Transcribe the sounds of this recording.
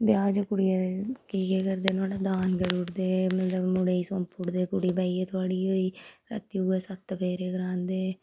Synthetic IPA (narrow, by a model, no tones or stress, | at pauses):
bjaːd͡ʒokʊɽiːekiːkeːkəɾd̪eːnaːɽaːd̪aːnzəɾuːɾd̪eːmət̪ləbmʊɽeːiːsõːmpʊɽd̪eːkʊɽiːbaːiːet̪ʰʊaːɽiːoːiːɾə̰t̪iuːɛːsət̪ːpʰeːɾeːɡəɾãːnd̪eː